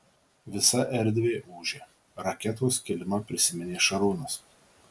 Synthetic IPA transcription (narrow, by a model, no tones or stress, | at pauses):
ʋʲɪsɐʔɛɾʲd̪ʲʋʲeːʔuːʒʲeː | ɾɐkʲɛt̪oːskʲɛlʲɪmɐpʲɾʲɪsʲɪmʲɛnʲeːʃɐɾuːnɐs